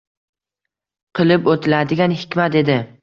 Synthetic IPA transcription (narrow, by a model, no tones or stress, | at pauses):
qʰɨlˠɪpot̪ʰɪlad̪ɪɡʲanhɪ̥kʲmat̪e̞d̪ɪ